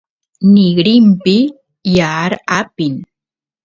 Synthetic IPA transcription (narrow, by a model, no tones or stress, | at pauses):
nɪɡɾɪmpɪ | jaːɾapɪn